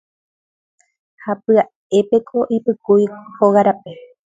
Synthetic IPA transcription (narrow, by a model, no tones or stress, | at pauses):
hapɨa | e̞pe̞kʰo̞ʔipɨkujhoɣaɾape